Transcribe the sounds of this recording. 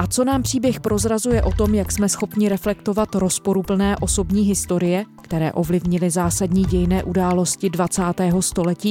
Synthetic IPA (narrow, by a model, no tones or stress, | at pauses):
ʔat͡so̞naːmpr̝̥iːbjɛxpɾo̞zɾazujɛʔo̞t̪o̞mjaksmɛsxo̞pɲɪɾɛflɛkt̪o̞vat̪ɾo̞spo̞ɾupl̩nɛːʔo̞so̞bɲiːɦɪst̪o̞ɾɪjɛkt̪ɛɾɛ̰ːʔo̞vlɪvɲɪlɪzaːsadɲiːɟɛjnɛːʔudaːlo̞scɪdvat͡saːt̪ɛːɦo̞st̪o̞lɛciː